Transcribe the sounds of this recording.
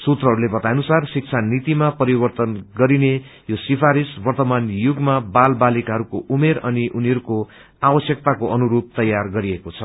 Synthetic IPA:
sut̪rʌɦʌɾulebʌt̪ajnusarsik̚t͡sʰanit̪imapʌɾibʌrt̪ʌnɡʌɾine | josipʰaɾisbʌrt̪ʌmanjuɡmabalbalikɦʌɾukoʔumeɾʌniʔuniɦʌɾuko | abʌsjʌk̚t̪akoʔʌnuɾub̚t̪ʌjarɡʌɾiekot͡sʰʌ

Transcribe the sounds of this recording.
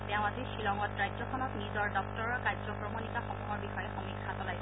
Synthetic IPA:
tɛʊ̃atiʃilɔŋɔtɹajzɔkʰɔnɔtnizɔɹdɔk̚tɔɹkaɹzɔkɹɔmonikaxɔmuɦɔɹbixɔjɛxɔmikʰːatɔlajs

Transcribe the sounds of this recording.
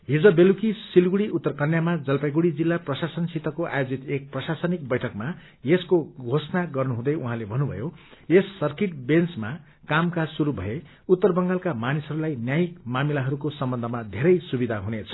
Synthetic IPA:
ɦid͡zʌbelukisilɡuɽiʔut̪ːʌrkʌnjamad͡zʌlpajɡuɽid͡zilːaprʌsasʌnsit̪ːʌkoʔa̰jod͡zit̪ek̚prʌsasʌnik̚bʌjʈʰʌkma | jeskoɡʱosnaɡʌrnuɦũd̪ʌjuɦãlebʱʌnubʱʌ̰joesːʌrkiʈbent͡sma | kamkasuɾubʱʌ̰je | ut̪ːʌrbʌŋɡalkamanisʌɾulajnjajik̚mamilaɦʌɾukosʌmbʌnd̪ʱʌmad̪ʱeɾʌjsubid̪ʱaɦunet͡sʰʌ̥

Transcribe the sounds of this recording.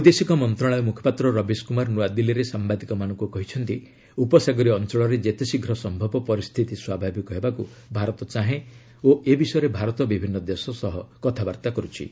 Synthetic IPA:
ud̪esikɔmɔnt̪ɾaɭ̃ajɔmukʰjɔ̥pat̪ɾɔɾɔbiskumaɾnuad̪iliɾesambad̪ikɔmanɔ̃ŋkukɔɦit͡ʃʰɔnt̪i | upɔsaɡɔɾiɔnt͡ʃɔɭɔɾed͡ʒet̪esiɡʱɾɔsɔmbʱɔbɔpɔɾist̪ʰit̪iswabʱabikɔɦebakṵbʱaɾɔt̪ɔt͡ʃaɦẽ | oebisɔjɔɾebʱaɾɔt̪ɔbibʱinːɔd̪esɔsɔɦɔkɔt̪ʰabaɾt̪akɔɾut͡ʃʰḭ

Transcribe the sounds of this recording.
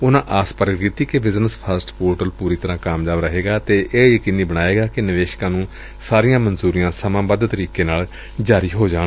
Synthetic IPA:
ʊnãːʔaːspəɾəkd̪it̪iːkebɪznəspʰəsʈpoːɾʈəlpuːɾiːt̪əɾãːkaːmd͡ʒaːbɾəɦeːɡaːt̪eːʔeːjəkiːniːbəɽ̃aːeːɡaːkɪnɪʋeːʃkãːnũː | saːɾijãːmənzuːɾijãːsəmãːbəd̪t̪əɾiːkeːnaːl | d͡ʒaːɾiːɦoːd͡ʒaːɽ

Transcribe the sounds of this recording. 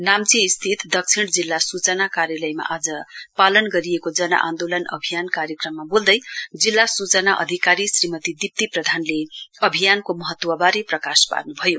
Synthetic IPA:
namt͡siːst̪ʰit̪d̪ʌk̚t͡sʰiɽ̃d͡zilːasut͡sʌnakaɾjalʌjma̰ʔad͡zʌpalʌnɡʌɾiekod͡zʌnʌ̰ʔa̰nd̪olʌnʌ̰bʱijankarjʌkrʌmːabold̪ʌjd͡zilːasut͡sʌnaʔʌ̰d̪ʱikaɾisrimʌt̪id̪ip̚t̪iprʌd̪ʱanleʌbʱijankomʌɦʌt̪ːwʌbaɾeprʌkaspa̰rnubʱʌjo

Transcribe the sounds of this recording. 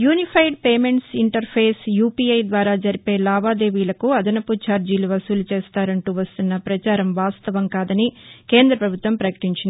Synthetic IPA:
juːnipʰɐjɖpeːme̞ɳʈsiɳʈɐɾpʰe̞ːsjuːpiɐjd̪ʋaːɾaːd͡ʒɐɾipe̞ːlaːʋaːd̪e̞ːʋiːlɐkuɐd̪ɐnɐput͡ʃaːɾd͡ʒiːluʋɐsuːlut͡ʃeːst̪aːɾɐɳʈuʋɐst̪unːɐpɾɐt͡ʃaːɾɐmʋaːst̪ɐʋɐmkaːd̪ɐnike̞ːnd̪ɾɐpɾɐbʱut̪ʋɐmpɾɐkɐ̥ʈiɲt͡ʃind̪i

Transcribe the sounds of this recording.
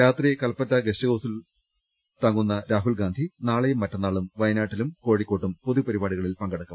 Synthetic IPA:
jaːt̪rikɐlpːɐtːɐɡeɕɐɣoːsil | t̪ɐŋːunːɐɾaːɦulɡaːnd̪ʱinaːɭejumːɐtːɐnːaːɭumʋɐjɐnaːʈːilumko̞ːɽikːo̞ːʈːumpo̞ðupɐɾibaːɽiɣɐɭilpɐŋɡɐɽɐkːɐm

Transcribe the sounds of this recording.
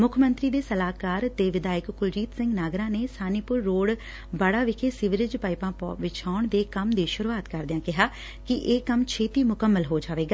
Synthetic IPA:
mʊkʰmənt̪ɾiːd̪eːsəlaːkaːɾt̪eːʋɪd̪aːjəkkʊld͡ʒiːt̪sɪ̃ŋɡnaːɡɾãːneːsaːniːpʊɾːoːɽ | bəɽaːʋɪkʰeːsɪʋɪlɪd͡ʒpaːɪpãːpːʋɪt͡ʃaːɳd̪eːkəmd̪eːʃʊɾuaːt̪kəɾd̪ɪjãːkɪɦaː | kɪʔeːkəmt͡ʃʰeːt̪iːmʊkəmːəlɦoːd͡ʒaːʋeːɡaː

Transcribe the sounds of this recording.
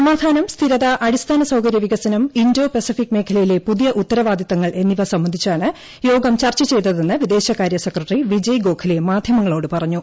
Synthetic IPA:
sɐmaːd̪ʱaːnɐmst̪ʰiɾɐðɐʔɐɽist̪ʰaːnɐsɐwkɐɾjɐʋiɣɐsɐnɐmindo̞ːpɐsifikːmeːkʰɐlɐjile̞puðijɐʔut̪ːɐɾɐʋaːd̪jɐt̪ːɐŋːɐɭe̞nːiʋɐsɐmːɐnd̪ʱit͡ɕːaːɳɨ | jo̞ːɡɐmt͡ɕɐrt͡ɕɐt͡ɕe̞jt̪ːɐðe̞nːɨʋid̪e̞ːɕɐkaːɾjɐsekrɐʈriʋid͡ʑɐjɡo̞ːkʰɐlemaːd̪ʱjɐmɐŋːɐɭo̞ːɽɨpɐrɐɲːu

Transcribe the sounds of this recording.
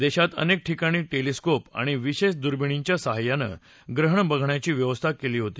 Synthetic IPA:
d̪eɕat̪ə̰nek̚ʈʰikaɽ̃iːʈeliskopa̰ɽ̃iʋiɕeɕd̪uɾbiɽ̃iɲt͡ɕjasəɦajːanə̰ | ɡɾəɦəɳbəɡʱɳjat͡ɕiːʋjəʋəst̪ʰakeliːɦot̪iː

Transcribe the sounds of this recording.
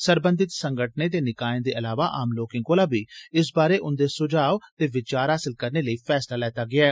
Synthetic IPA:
səɾbənd̪ɪt̪səŋɡəʈ̚ʰneːt̪eːnɪkaːẽːd̪eːʔəlaːʋaːʔaːmloːkɪ̃ŋɡoːlaːbiːɪsbaːɾeːʔʊnd̪eːsʊd͡ʒaːʋt̪eːʋɪt͡ʃaːɾɦaːsɪlkəɾneːləiːpʰɛːslaːlɛːt̪aːɡɪaːɛː

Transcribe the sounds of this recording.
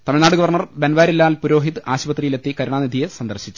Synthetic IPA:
t̪ɐmiɻnaːɽuɡɐʋɐrɳɐrbenʋaːɾilːaːlpuɾo̞ːɦit̪ɨaːɕbɐt̪ːrijile̞t̪ːikɐɾuɳaːnid̪ʱijesɐnd̪ɐrɕit͡ɕːu̥

